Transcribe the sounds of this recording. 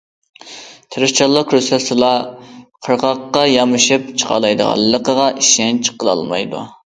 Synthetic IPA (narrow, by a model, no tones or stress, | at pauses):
t̪ʰɨɾɨʃt͡ʃʰɑlˠːəqʰɾusɑsɨlˠɑqʰəɾʁɑqːɑjɑmɨʃɨpt͡ʃʰə̥qʰɑ̰lˠɑjd̪ə̰ʁɑ̰lˠːəqəʁɑʔiʃɛnt͡ʃʰə̥qəlˠɑ̰lˠmɑ̰jd̪ṵ